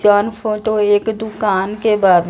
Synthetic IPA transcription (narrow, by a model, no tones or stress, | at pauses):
aːnpʰoːʈoeːkd̪ʊkaːnkebaːb